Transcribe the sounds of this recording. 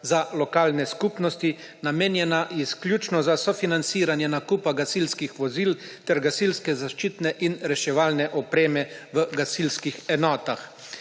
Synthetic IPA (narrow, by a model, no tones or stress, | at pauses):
zalɔkaːlnɛskuːpnɔst̪i | nameːnjɛnaɛsklʲjuːt͡ʃnɔzasɔfinant̪siːɾanjɛnakuːpaɡasilskixʋɔziːlt̪ɛɾɡasilskɛzaʃt͡ʃiːt̪nɛʔinɾɛʃɛʋaːlnɛʔɔpɾeːmɛʋəɡasilskixɛnɔːt̪ax